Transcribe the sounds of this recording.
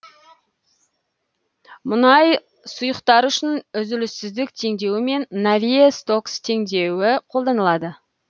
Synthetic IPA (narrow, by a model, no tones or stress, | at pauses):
mʊnɑj | sʊjəqt̪ɑɾʏʃɪnʏzɪlɪsːɪzd̪ɪk̚t̪ʰe̞ŋd̪e̞wɪme̞nːavijest̪o̞kst̪ʰe̞ŋd̪e̞wɪqʰo̞lˠd̪ɑnəlˠɑd̪ə